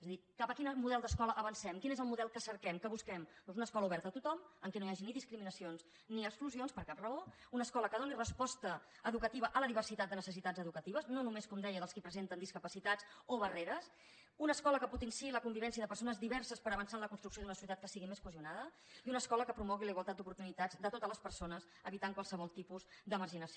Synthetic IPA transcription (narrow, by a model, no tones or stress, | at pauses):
ezəðikapəkinəmuðɛlˠd̪əskɔləʔːβənsɛmkinezəlˠmuðɛlˠkəsəɾkɛmkəβuskɛmd̪ɔnzunəskɔləuβɛɾt̪əːt̪ut̪ɔməŋkɛnojaʒiniðiskɾiminəsions | niəkskluzionspəɾkap̚rəounəskɔləkəð̞onirəspɔst̪ə | əðukət̪iβəʔələðiβ̞ərsit̪at̪̚d̪ənəsəsit̪ad͡zəðukət̪iβəznonumeskɔmd̪ɛjəðəlˠskipɾəzent̪ənd̪iskəpəsit̪at͡soβəreɾəs | unəskɔləkəput̪ənsiiləkumbiβɛnsiəðəpəɾsonəzðiβɛɾsəspəɾəβənsaənləkunst̪ɾuksijoðunəsjut̪at̪̚kəsiɣimeskwəzunaðə | iunəskɔləkəpɾumɔɣ̞iləiɣwəlˠt̪at̪d̪upuɾt̪unit̪ad͡zd̪ət̪ot̪ələspəɾsonəz | əβit̪aŋkwalˠsəβɔlˠt̪ipuzd̪əməɾʒinəsio